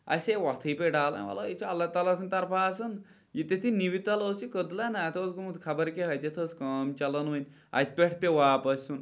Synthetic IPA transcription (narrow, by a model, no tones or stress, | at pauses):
ɐ̰sʲeʋɐt̪ʰɨjpʲeɖaːlɐ̰nʲʋɐ̰lojit͡ʃʰiɐlːaːt̪aːlasɨnʲt̪ɐɾpʰaːsɨn | jit̪et̪ʰiniʋit̪ɐlɐwsikəd̪lanaːt̪ʰosɡumut̪kʰɐbɐɾkʲeɦɐjt̪ʲet̪ʰoːskɐmt͡ʃɐlɐnʋɐnʲ | ɐ̰t̪̚ʲʰpʲeʈʰpʲeʋaːpɐsʲsun